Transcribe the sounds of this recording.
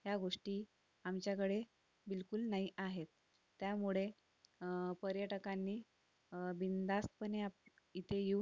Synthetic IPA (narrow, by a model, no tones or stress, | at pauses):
ɦjaɡoʂʈiː | amt͡ɕjakəɽe | bilkulnaɦiʔaɦet̪ː | jamuɭe | pəɾjəʈəkanːiː | bind̪ast̪pəneap | it̪ʰejeu